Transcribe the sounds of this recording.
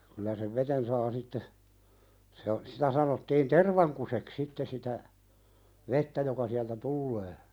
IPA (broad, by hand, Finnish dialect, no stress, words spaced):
kylæ seʋ ʋeten sɑː sitːe se o sitæ sɑnotːiːn terʋɑŋkusek sitːe sitæ ʋetːæ jokɑ siæltæ tulːeː